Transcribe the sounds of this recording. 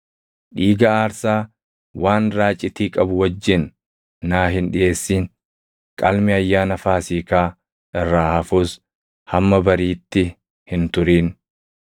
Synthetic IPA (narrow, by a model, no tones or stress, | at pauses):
ᶑiːɡɐaːɾsaː | waːnɾaːt͡ʃʼːɪt̪iːkʼɐbʊwɐd͡ʒːɪnː | aːɦɪnɗɪʔe̞ːsːiːn | kʼɐlmɪɐjːaːnɐfaːsiːkaː | ɪrːaːhɐfuːs | hɐmːɐbɐɾiːt̪ːɪ | hɪnt̪ʊɾiːn